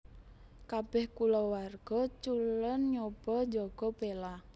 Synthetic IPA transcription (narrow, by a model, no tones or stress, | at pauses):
kab̥ɛhkulɔwarɡ̥ɔt͡ʃulənɲob̥ɔd͡ʒɔɡ̥ɔ̤bela